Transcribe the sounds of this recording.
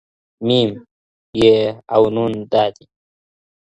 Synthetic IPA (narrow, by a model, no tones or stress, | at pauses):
miːm | jeawnund̪aːt̪i